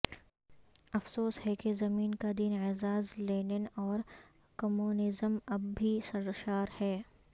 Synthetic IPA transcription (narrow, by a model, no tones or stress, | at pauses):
ɐfsoːshɛkezɐmiːnkad̪iːnezaːzleːnenɔːɾ | kɐmuːnɪzəmɐbːʱisɐɾʃaːɾhɛː